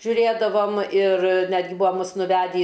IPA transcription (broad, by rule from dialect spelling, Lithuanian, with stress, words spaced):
ʒʲʊˈrʲeːdɐʋoːm ɪr ˈnʲæːdʲɡʲɪ ˈbʊɐ ˈmʊs nʊˈʋʲæːdʲiː